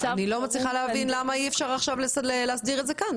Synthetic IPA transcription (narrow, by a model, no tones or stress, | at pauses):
anilo̞mat͡sliχaleavinlamaiefʃaʁaχʃavlesleleasdiʁetzekan